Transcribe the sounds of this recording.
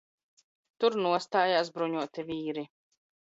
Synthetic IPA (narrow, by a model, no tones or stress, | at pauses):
t̪uɾnuɔst̪aːjaːsbɾuɲuɔt̪ivʲiːɾi